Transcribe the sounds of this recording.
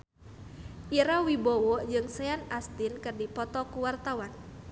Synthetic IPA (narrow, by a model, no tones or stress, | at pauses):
ʔiɾawibowɔd͡ʒɨŋsɛanast̪ɪnkərdipɔt̪ɔkuwart̪awan